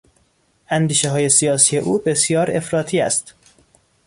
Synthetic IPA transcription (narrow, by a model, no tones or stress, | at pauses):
ʔænd̪iːʃeɦɒːje̞sijɒːsiːje̞ʔuːbe̞sjɒːɾe̞fɾɒːt̪ʰiːæ̰st̪